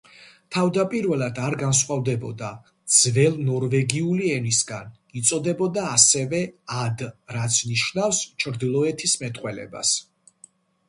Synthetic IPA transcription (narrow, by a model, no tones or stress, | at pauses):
t̪ʰavd̪apʼiɾvɛlˠad̪aɾɡansχwavd̪ɛbɔd̪a | d̪z̥vɛlˠnɔɾvɛɡiuliɛnisɡan | it̪sʼɔd̪ɛbɔd̪aːsɛvɛad̪ɾat̪sʰniʃnafst͡ʃʰɾd̪ilˠɔɛt̪ʰismɛt̪ʼqʼwɛlɛ̰ba̰s